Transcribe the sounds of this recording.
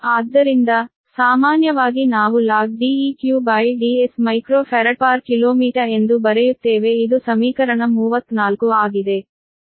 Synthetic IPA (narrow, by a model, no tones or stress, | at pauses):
aːd̪ːɐɾind̪ɐ | saːmaːnjɐʋaːɡinaːʋulaːɡ̚ɖiiːkjuːbɐjɖiːesmɐjkɾoːpʰɐɾɐʈpaːɾkiloːmiːʈɐe̞nd̪ubɐɾejut̪ːeːʋeid̪usɐmiːkɐɾɐɳɐmuːʋɐt̪ːnaːlkuaːɡid̪e̞